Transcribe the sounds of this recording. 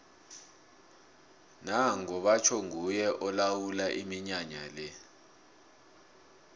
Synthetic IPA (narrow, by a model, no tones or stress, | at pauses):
naŋɔɓat͡ʃʰɔŋujɛʔɔlawulaʔimiɲaɲalɛ